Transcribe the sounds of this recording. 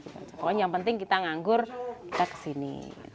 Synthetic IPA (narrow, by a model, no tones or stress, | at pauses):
iba̰t͡ʃapakɔnjaŋpənt̪ɪŋkit̪aŋaŋɡʊrkit̪akə̥sinḭ